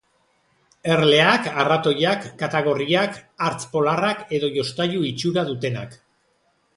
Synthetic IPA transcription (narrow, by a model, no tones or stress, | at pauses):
e̞rle̞akarat̪o̞jakːat̪aɣ̞o̞riakaɾt͡spo̞larake̞ðo̞jo̞st̪ajuit͡ʃuɾaðut̪e̞na̰k